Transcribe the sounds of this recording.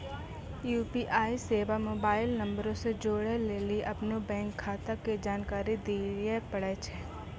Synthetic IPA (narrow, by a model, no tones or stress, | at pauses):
juːpiːʔaːiseːʋamoːbaːɪlnɐ̃mbəɾõsed͡ʒoːɽeleːliʔɐpnobɛ̃ːŋkʰːaːt̪aked͡ʒaːnkaːɾid̪iːɾepɐɽet͡ʃʰɛː